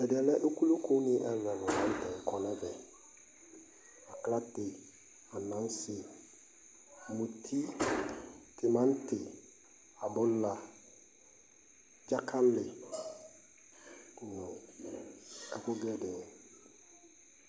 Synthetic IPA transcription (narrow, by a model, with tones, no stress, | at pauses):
ɛ˨dɪ˨ɛ˨lɛ˦ʔo˦ku˦lo˦ko˦nɪ̃˦ʔɛ˦lɛ˨nʊ̃˨mã˦n̩˦tɛ˨ŋ˨kʰɔ˨nɛ˦vɛ˨ | a˨kla˦tɪ˨ | a˨nã˨˦n˦sɪ˦˨ | mũ˨tʰi˦ | tɪ˨mã˦n˦tɪ˨ | a˨bʊ˦lːa˨ | d͡ʒa˦kʰa˦lɪ˨ | kʊ˨nʊ̃˨ | a˨ko˦ɡɛ˦dɛ˨